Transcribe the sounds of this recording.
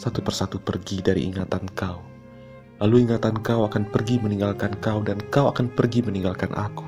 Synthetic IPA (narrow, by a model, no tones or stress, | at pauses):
sat̪upərsat̪upərɡidaɾḭʔḭŋat̪ankau | laluiŋat̪ankawakanpərɡiməniŋɡalkankawdankawakanpərɡiməniŋɡalkanʔa̰ku̥